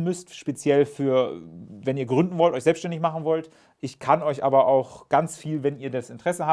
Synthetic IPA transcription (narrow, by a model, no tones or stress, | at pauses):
nmʏstʃpet͡sjɛlfyːɐvɛniːɐɡʁʏndn̩vɔltʔɔʏçzɛlpsʃtɛndɪçmaχn̩vɔlt | ʔɪçkʰanɔʏçʔa̰ːbɐʔaʊxɡ̥ant͡sfiːlvɛniːɐdasɪntʁ̥ɛsəha